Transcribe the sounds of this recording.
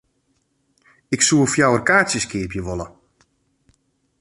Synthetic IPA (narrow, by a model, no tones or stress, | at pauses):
ɪksuəfjawərkaːsjəskɪəpjəʋɔlə